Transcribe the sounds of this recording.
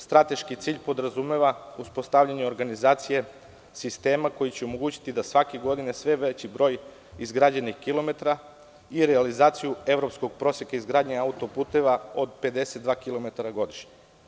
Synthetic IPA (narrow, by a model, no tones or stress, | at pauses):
st̪ɾat̪e̞ʃkit̪siːʎpo̞d̪ɾazume̞ʋauspo̞st̪aʋʎaɲeo̞ɾɡanizaːt̪sije̞ | sist̪e̞ːmako̞jit͡ɕeomo̞ɡuːt͡ɕi̥t̪id̪asʋakeɡo̞d̪inesʋe̞ʋe̞t͡ɕibɾo̞ːj | izɡɾaːd͡ʑenixkilo̞me̞t̪ɾa | iɾealizaːt̪sijue̞ʋɾo̞psko̞ɡ̚pɾo̞ːsjekaizɡɾaːd̪ɲeaut̪o̞puːt̪e̞ʋaod̪pe̞d̪e̞set̪̚d̪ʋaːkilˠo̞me̞t̪aɾaɡo̞d̪iʃɲe